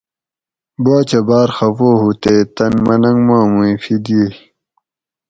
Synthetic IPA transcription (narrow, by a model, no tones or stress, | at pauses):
boːt͡ɕɐbaːɾxɐfoːɦut̪eːt̪ɐnmɐnɐŋɡmãːmũifid̪ie